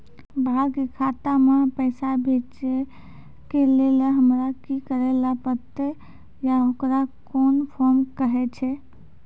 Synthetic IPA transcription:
bʱakekʰat̪amepəɪsabʱet͡ʃe | keleleɦəmɾakikəɾelapət̪e | jaokɾakonpʰɔɾmkəɦɛt͡ʃʰɛ

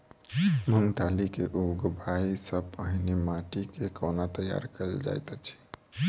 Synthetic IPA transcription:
məŋɡt̪alikeʔoɡbʱaisəbpəɦinemaʈikekonat̪əja̰ɾkəld͡ʒa̰jt̪ət͡ʃʰi̥

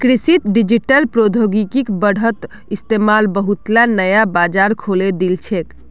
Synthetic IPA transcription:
kɾisit̪ɖid͡ʒiʈəlpɾod̪ʱoɡikikbəɽ̤ət̪ | ist̪emalbəɦut̪lanəjabad͡ʒaɾkʰoled̪ilt͡ʃʰek

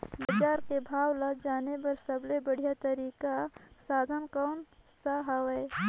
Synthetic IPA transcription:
bəd͡ʒaːɾkebʱaːwlad͡ʒaːnepɐɾsəblebəɽ̤ijat̪əɾiːkasaːd̪ʱənkɔːnsaɦawe

